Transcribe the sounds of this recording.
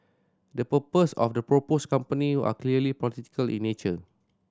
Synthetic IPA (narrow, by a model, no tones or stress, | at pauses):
dəpəpəsɔ̰fdəpɹoposkãmpəniua̰kliəlipɔlit̪i̥kəlḭ̃nːet͡ʃə